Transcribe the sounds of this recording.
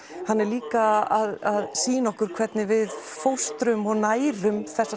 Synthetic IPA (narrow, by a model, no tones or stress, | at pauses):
hanːɛɾliːkaaðaðsiːnɔhkʏɾ̥kʰvɛt̪nɪvɪðfowst̪ɾʏmɔɣnaːjɾʏmθɛsa